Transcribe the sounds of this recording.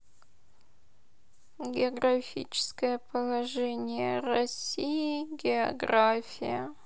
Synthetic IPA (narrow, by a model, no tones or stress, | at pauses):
ɡʲɪoɡrɐfʲḭt͡ʃʰɪ̥skəjəpəlˠɐʐɛnʲɪjərɐsʲijiɡʲɪoɡrafʲijə